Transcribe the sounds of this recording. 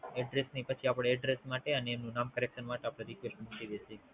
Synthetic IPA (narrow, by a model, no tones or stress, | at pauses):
ɛɖɾesnipət͡ʃʰiapɽ̃eɛɖɾesmaʈeəneːmnũnamkəɾekʃənmaʈeapɽ̃eɾikʋesʈnuʈid̪eʃʰe